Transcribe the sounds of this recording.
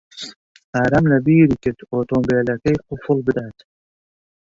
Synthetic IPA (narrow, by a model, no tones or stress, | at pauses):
aɾɐmlɐbiːɾiket̪ʰoːt̪oːmbeːlɐkɐjqʊfulbid̪at̪